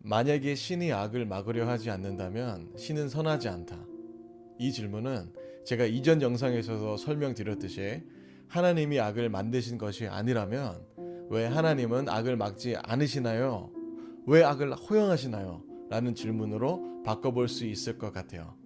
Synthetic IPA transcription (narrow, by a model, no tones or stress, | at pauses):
maɲaɡe̞ɕʰiniaɡɯɭmaɡɯɾjʌɦad͡ʑianːɯndamjʌnɕʰinɯnsʰʌnɦad͡ʑiantʰa | it͡ɕiɭmunɯnt͡ɕe̞ɡaid͡ʑʌnjʌŋs̬ʰaŋe̞sʰʌsʰʌsʰʌɭmjʌŋtɯɾjʌt͈ɯɕʰi | hanaɲimiaɡɯɭmandɯɕʰinɡʌɕʰiʔa̰ɲiɾamjʌnwe̞ɦanaɲimɯna̰ɡɯɭmak̚t͡ɕ͈ia̰nɯɕʰinajo | we̞aɡɯɭhojʌŋɦaɕʰinajo̰ | ɾanɯnt͡ɕiɭmunɯɾopak͈ʌboɭs͈uis͈ɯɭk͈ʌk͈atʰe̞̰jo̰